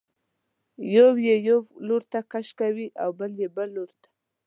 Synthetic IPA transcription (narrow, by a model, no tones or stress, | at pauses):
jowjejowloɾt̪akaʃkawiʔawbəljebəlːoɾt̪ḁ